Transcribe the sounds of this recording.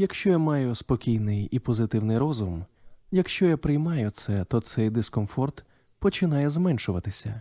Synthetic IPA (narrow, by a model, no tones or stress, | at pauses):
jɐkʃt͡ʃɔjamɑjʊspɔkʲijnɪjipɔzɪt̪ɪwnɪjɾɔzʊm | jɐkʃt͡ʃɔjapɾɪjmɑjʊt̪sɛt̪ɔt̪sɛjd̪ɪskɔmfɔrt̪ | pɔt͡ʃɪnɑjɛzmɛnʃʊʋɐt̪ɪsʲɐ̰